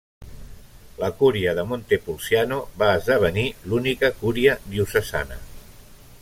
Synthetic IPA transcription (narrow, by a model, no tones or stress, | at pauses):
ləkuɾiəðəmont̪epulˠsianoβaəzðəβ̞ənilunikəkuɾiəðiusəza̰nə̰